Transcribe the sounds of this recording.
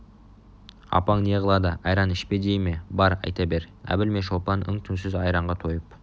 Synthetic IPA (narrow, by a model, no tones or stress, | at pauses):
ɑ̰pɑŋne̞ʁəlˠɑd̪əɑjɾɑnɪʃped̪ejme̞bɑɾɑ̰jt̪ɑbe̞ɾæ̰bɪlme̞ʃopɑnʏ̰ŋt̪ʰʏnsɪzɑjɾɑɴʁɑt̪ʰo̞jəp̚